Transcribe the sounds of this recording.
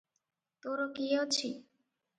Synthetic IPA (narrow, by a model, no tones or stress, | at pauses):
t̪oɾokiot͡ɕʰi